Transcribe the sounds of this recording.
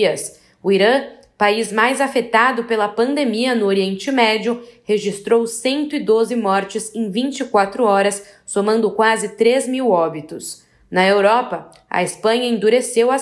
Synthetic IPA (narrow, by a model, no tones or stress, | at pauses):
ɐs | ʊiɾɐ̃ | paizmajzafet̪ad̪ʊpelɐpɐ̃nd̪emiɐnʊoɾiẽnt͡ʃɪmɛd͡ʒʊheʒist̪ɾowsẽnt̪ʊɪd̪ozɪmɔɾt͡ʃɪzẽj̃vĩnt͡ʃɪkwat̪ɾʊɔɾɐsː | omɐ̃nd̪ʊkwazɪt̪ɾezmiwɔbit̪ʊs | nɐewɾɔpɐ | ɐ̰espɐ̃ɲɐẽd̪uɾesewɐ